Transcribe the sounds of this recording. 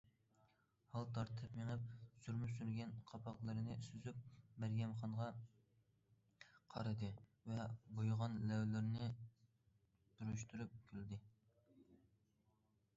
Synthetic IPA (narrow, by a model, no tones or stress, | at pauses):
hɑlˠt̪ʰɑɾt̪ʰɨpmeŋɨp̚syɾmysyɾɡʲɛnqʰɑpʰɑqlˠɨɾɨnɨsyzyp̚mæɾɡʲɛmχɑnʁɑ | qʰɑ̰ɾɨd̪ɨvɛbojʁɑnlɛwlɪɾnɪ | d̪̥uɾuʃt̪ʰuɾyp̚kʲʰyld̪ɪ